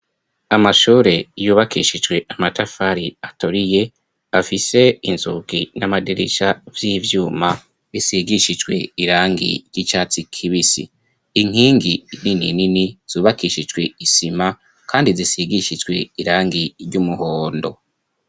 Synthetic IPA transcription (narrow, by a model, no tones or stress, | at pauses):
amaʃuːɾe̞juːβakiʃid͡ʒɡwe̞amatafaɾiatoɾije̞ | afise̞inzukinamadeɾeʃavjiːvjuːma | βisiɡiʃid͡ʒɡwe̞̰iɾaːŋɡḭɾjit͡ʃaːt͡sikʰiβisḭ | iŋ̥hiːŋɡininininiz̥uːβakiʃid͡ʒɡwe̞isima | kaːndizisiɡiʃid͡ʒɡwe̞iɾaːŋɡiɾɟumuho̞ːndo̞